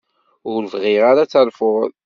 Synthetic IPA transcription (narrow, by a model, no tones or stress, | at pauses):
ʊɾvʁɪʁaɾat͡sːəɾfʊʁð